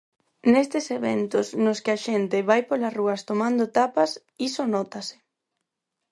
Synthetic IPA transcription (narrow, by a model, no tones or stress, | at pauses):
nest̪eseβḛnt̪osnoskɪaʃent̪ɪβajpolɐsruɐst̪omãnd̪ot̪apɐs | isonɔt̪asɪ̥